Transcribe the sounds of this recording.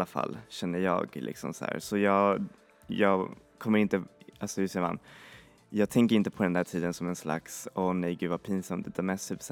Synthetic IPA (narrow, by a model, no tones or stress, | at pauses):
afa̰lːɕɛnːəjɑ̰ːɡlɪ̰ksɔ̰msæ̰ːɾsɔjɑː | jɑːɡ | kʰɔmːəɾɪnt̪əalsɔd̪ɵsɛva̰nː | jɑːɡ̚t̪ʰɛŋkəɾɪnt̪əpʰɔd̪ɛnd̪æːʈʰiːd̪ənsɔmɛnsla̰ksɔnɛjɡʉ̟ːd̪vapʰiːnsamt̪d̪ɛt̪ʰɑːɾmɛst̪ʰyːps